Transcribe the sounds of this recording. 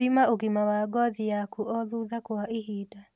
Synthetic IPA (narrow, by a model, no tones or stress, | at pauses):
imaoɣimawaɡɔðijakuʔɔðuðakoaʔiɦida